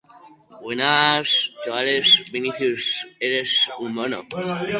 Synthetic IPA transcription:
bwenastaβalesbiniθjuseɾesummono̰

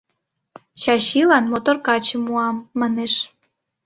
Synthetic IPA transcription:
t͡ɕɑɕilɑnmot̪orkɑt͡ɕəmuɑmːɑneʃ

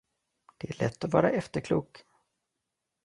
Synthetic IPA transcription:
d̪̥ɛæɭɛ̰t̪ːɔvɑːɾaʔɛft̪əɾkʰluːk

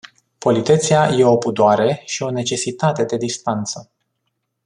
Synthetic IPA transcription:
po̞lit̪e̞t̪siaje̞o̞pud̪oaɾe̞ʃio̞ne̞t͡ʃe̞sit̪at̪e̞d̪e̞d̪ist̪ant̪sə

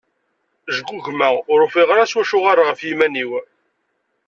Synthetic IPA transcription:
ʒəɡʷːuʝmæʊɾfiʁɾaswæʃʊʁaɾʁəfjimæniw

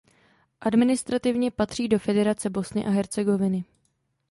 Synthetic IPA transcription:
ʔadmɪnɪst̪ɾat̪ɪvɲɛpat̪r̥iːdo̞fɛdɛɾat͡sɛbo̞snɪʔaɦɛɾt͡sɛɡo̞vɪnɪ

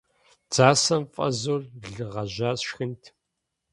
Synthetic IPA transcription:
d͡z̥aːsɐmfʼɐ̰zoːrɮɨʁɐʑaːsʃxɨntʰ

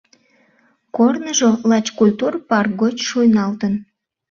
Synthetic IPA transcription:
kornəʒolɑt͡ɕkulʲt̪urpɑrk̚ɡot͡ɕʃojnɑlt̪ən

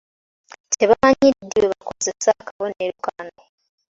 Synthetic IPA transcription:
tʰeβaɲiidːiweβako̞zesaːkaβo̞neɾukane

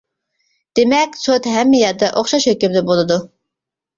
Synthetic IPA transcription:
d̪̥emɛkʲsot̪ɦɛmːɛjɛɾd̪ɛʔoχʃɑʃhøkʲymd̪ɛbolˠɨd̪u

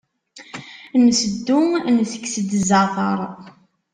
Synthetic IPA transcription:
nsəd̪ːunθəkːsəd̪əzɑθɑ̰ɾˤ

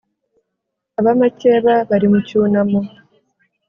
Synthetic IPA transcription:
aβamace̞ːβaβaɾimucuːnamo

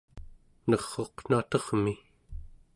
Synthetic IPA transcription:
nʌʁːoqn̥at̪ʌʁmi

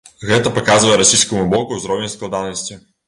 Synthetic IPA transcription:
ɣɛt̪ɐpakazvɐjɛɾasʲijskɐmubɔkuwzɾɔwʲenʲsklˠad̪anɐsʲt͡sʲi

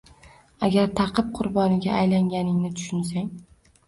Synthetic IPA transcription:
aɡʲaɾt̪ʰɑqʰɨp̚qʰʊɾbɒnɪɡʲaːjlaŋɡʲanɪŋnɪt̪ʰʊ̥ʃʊns̬aŋ

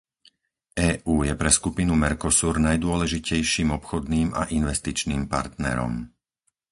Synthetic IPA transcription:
ʔɛːʔuːjɛpɾɛskupinumɛɾkɔsuːɾnajd̪ʊɔlɛʒicɛjʃiːmɔpxɔd̪niːmʔa̰ʔinʋɛst̪it͡ʃniːmpa̰ɾt̪nɛ̰ɾɔ̰m

